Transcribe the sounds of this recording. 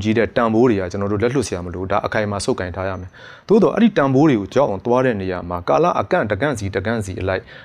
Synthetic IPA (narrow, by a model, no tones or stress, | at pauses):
t͡ɕiɾɛ̰tãmboɾehat͡ɕənɔɾo̰lɛlʊʔsɪjaməlodaʔəkʰãɪ̃masoʊkːãɪ̃ntʰaja̰mɛ | d̪o̰d̪ɔʔɛ̰ɾitãmboɾeɡod͡ʑaʔãt̪waɾɛ̰neja̰m̥akalä̰ʔəkã̰ndəɡã̰nzidəɡã̰nzḭʔəlaɪʔ